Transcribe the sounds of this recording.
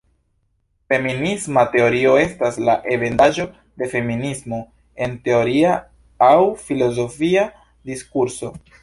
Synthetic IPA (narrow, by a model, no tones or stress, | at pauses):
fe̞minismate̞o̞ɾio̞e̞staslaʔe̞ve̞ndaʒo̞ | de̞fe̞minismo̞ | e̞nte̞o̞ɾia | awfilo̞zo̞fia | diskuɾso̞